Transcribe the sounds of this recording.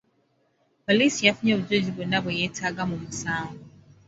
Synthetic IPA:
polisijafuɲɔbuzed͡ʒibɔnabɔjɛtʰaɡamumusaːŋɡu

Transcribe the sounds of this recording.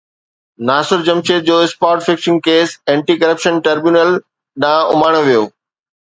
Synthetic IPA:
naːsʊɾd͡ʑɐmʃed͡ʑoːɪspaːɾʈfɪksɪ̃ŋɡ̚keːsɛ̃ːɳʈiːkɐɾəpʃənʈɐɾbjuːnəl | ɗãːʊ̰maːɽ̃oʋijoː

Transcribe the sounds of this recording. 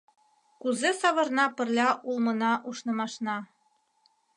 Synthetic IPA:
kuzesɑβɤ̆rnɑpɘ̆rlʲɑʔulˠmɤ̆nɑʔuʃnɤ̆mɑʃnɑ

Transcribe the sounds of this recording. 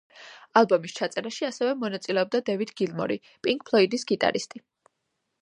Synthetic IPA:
alˠbɔmist͡ʃʰat̪sʼɛɾaʃiasɛvɛmɔnat̪sʼilɛɔb̚d̪ad̪ɛvid̪ɡilˠmɔ̰ɾi | pʼiŋk̚ʰʼpʰlˠɔid̪isɡit̪ʼa̰ɾist̪ʼi

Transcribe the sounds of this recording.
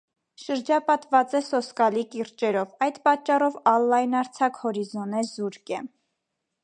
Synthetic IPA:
ʃəɾd͡ʒɑpɑt̪vɑt͡sɛsɔskɑlikiɾt͡ʃɛɾɔvɑjd̪pɑt͡ʃːɑrɔvɑlːɑjnɑɾt͡sʰɑkhɔɾizɔnɛzuɾkɛ

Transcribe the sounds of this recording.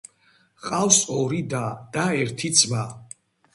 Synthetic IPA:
qʼawsɔɾid̪ad̪̥aɛɾt̪ʰid̪zma

